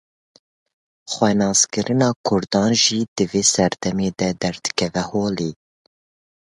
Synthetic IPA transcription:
xwɛnɑːskɨɾʔɨnɑːkʰʊɾd̪ɑːnʒiːd̪ɨveːsɛɾd̪ɛmeːd̪ɛd̪ɛɾd̪ɨ̥kʰɛvɛhoːliː

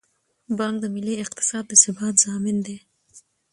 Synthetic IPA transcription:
bɑŋk̚d̪əmɪleɪq̚t̪ɪ̥sɑːd̪ːəsɪbɑːt̪zɑːmɪnd̪e

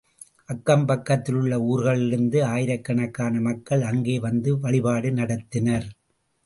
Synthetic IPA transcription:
ʔɐkːɐmpɐkːɐt̪ːɪlɯɭːɐuːɾɣɐɭɪɾɯnd̪ɯaːjɪɾɐkːɐɳɐkːaːnɐmɐkːɐɭɐŋɡeːʋɐnd̪ɯʋɐɭɪpaːɽɯnɐɽɐt̪ːɪnɐɾ

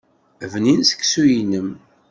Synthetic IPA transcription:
vninsə̥kːsujnəm

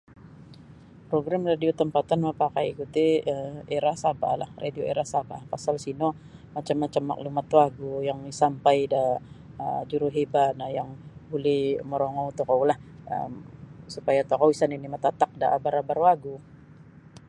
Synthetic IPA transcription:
pɾoɡɾamradiot̪əmpat̪anmapakaikut̪iəeɾahsaba̰la̰hra̰dioeɾahsaba̰pasalsino | mat͡ʃamːat͡ʃamːa̰ʔlumat̪waɡujaŋisampajda | ə̰d͡ʒuɾuɦebanajaŋbulɪməɾoŋɔut̪okawlahə̰msupajat̪okowisaninimat̪at̪ak̚da̰ʔabaɾabarwaɡu

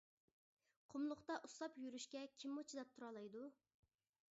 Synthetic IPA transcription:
qʰʊmlˠʊχt̪ɑʔuslˠɑpjyɾyʃkʲɛkʲʰimːot͡ʃʰid̪ɛp̚t̪ʰuɾɑlˠɑjd̪u

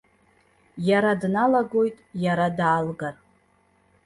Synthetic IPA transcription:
jaɾadnalaɡo̞jtʼjaɾadaːlɡar

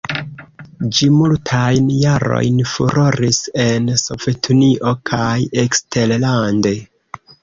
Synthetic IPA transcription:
d͡ʒimultʰajnjaɾo̞̰jnfuɾo̞ɾise̞nso̞ve̞tʰuniʔo̞kʰajekstellande̞

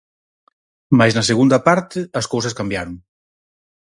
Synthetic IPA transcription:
majznɐseɣ̞und̪ɐpaɾt̪ɪɐskows̬ɐskambjaɾoŋ

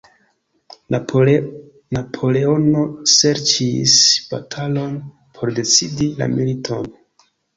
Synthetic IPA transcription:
napʰo̞le̞o̞no̞se̞ɾt͡ʃisb̥a̰tʰalo̞n | pʰo̞ɾde̞t͡sidila̰militʰo̞n

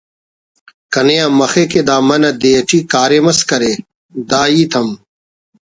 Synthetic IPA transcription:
kɐnejãːmɐxeked̪aːmɐnɐd̪ejɐʈiːkaːɾeːmɐskɐɾeː | d̪aːiːt̪ʰɐm

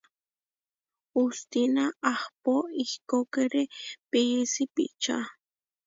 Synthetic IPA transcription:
ust̪inaʔːhpoihkokeɾepijisipḭʔt͡ʃa̰

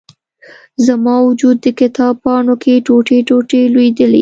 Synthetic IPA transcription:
zamɑwʊd͡ʒud̪̚ːəkɪt̪ɑb̚pɑɳokʰeʈoʈeʈoʈelwed̪əlḛ

